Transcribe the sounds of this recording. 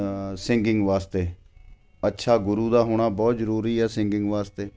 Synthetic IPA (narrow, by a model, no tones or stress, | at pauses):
sɪ̃ŋɡɪŋɡʋaːst̪eː | ətːʃʰaːɡʊɾuːd̪aːɦoːɽ̃aːbɔːt̪zəɾuːɾiːɛːsɪŋɡɪŋɡʋaːst̪eː